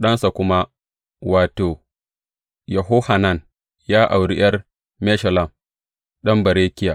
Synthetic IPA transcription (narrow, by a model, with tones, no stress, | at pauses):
ɗɐ˦nsa˨kʷʊ˦ma˦ | waː˨toː˨ | jɐ˨ɦo˦ha˨na˦˨n | jaː˦ʔa˨wɽi˦j̰ɐ˦r | mɛ˦ʃɐ˨lɐ˨m | ɗɐ˦mbɐ˨ɾeː˦kʲɪ˦ja˨